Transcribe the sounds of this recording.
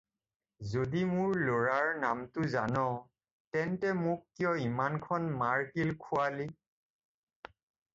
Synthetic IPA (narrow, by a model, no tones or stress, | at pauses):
zodimʊɹloɹaɹnamtʊza̰nɔ | tɛntɛmʊkːjɔimankʰɔnmaɹkilkʰuali